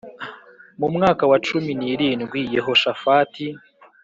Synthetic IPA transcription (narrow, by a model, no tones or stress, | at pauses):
mumŋaːkawat͡ʃuminiɾiːnɡwijeɦo̞ʃafati